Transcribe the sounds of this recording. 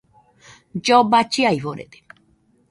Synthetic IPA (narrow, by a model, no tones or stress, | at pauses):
d͡ʒobat͡ʃiajβoɾḛt̪e̥